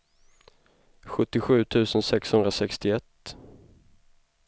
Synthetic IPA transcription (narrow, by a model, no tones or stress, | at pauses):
ɧɵt̪ːɪɧʉ̟ːt̪ʰʉ̟ːsənsɛkshɵnd̪ɾasɛkst̪ɪɛt̪ː